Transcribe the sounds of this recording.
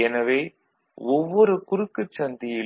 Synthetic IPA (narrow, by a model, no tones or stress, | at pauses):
ɛnɐʋeː | ɔʋːɔɾɯkʊɾɯkːɯt͡ʃːɐnd̪ɪjɪ